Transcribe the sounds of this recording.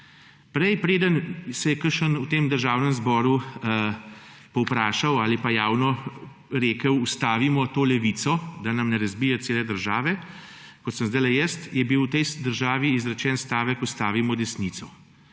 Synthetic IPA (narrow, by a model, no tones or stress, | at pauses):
pɾɛjpɾeːd̪ənsɛjɛkəɾʃənut̪eːmd̪əɾʒaːwnəmzbɔːɾu | pɔwpɾaːʃawaːlipajaːwnɔ | ɾeːkəwust̪aːʋimɔt̪oːlɛʋiːt̪sɔd̪anɐmnɛɾɐzbiːjɛt̪seːlɛd̪əɾʒaːʋɛ | kɔt̪səmzd̪ajlɛjɛst̪jɛbiwt̪ɛjd̪əɾʒaːʋiːzɾɛt͡ʃɛːnst̪aːʋɛkust̪aːʋimɔd̪ɛsnit̪sɔ